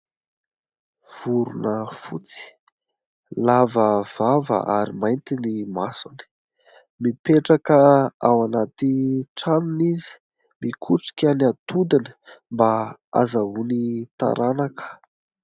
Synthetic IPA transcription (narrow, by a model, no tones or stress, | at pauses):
v̥uɾunəfut͡si̥ | lavəv̥avə̰ʔa̰ɾimajnt̪inimasuni̥ | mipeʈ͡ʂakəawanat̪iʈ͡ʂaminizi̥ | mikʰuʈ͡ʂi̥kʲaniat̪ud̪inə̥mbaa̰zaɦunit̪a̰ɾanakə̥